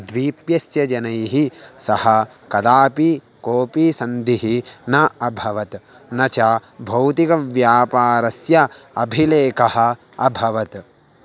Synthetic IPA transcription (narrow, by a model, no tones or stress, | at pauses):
d̪ʋiːpjɐsjɐd͡ʒɐnɐjɦisɐhɐ | kɐd̪aːpi | koːpisɐnd̪iɦinɐɐbʱɐʋɐt̪ | nɐt͡ʃabʱɐwt̪ikɐʋjaːpaːɾɐsjɐ | ɐbʱileːkɐhɐ̆ | ɐbʱɐʋɐt̪